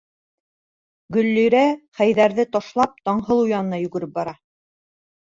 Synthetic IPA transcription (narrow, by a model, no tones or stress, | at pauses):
ɡɵ̆lːy̆jɾæχæjðæɾðɘt̪ɑʃlˠɑp̚t̪ɑɴɦɤlˠujɑnɤ̆nɑjʉɡɘ̆ɾɘp̚bɑɾɑ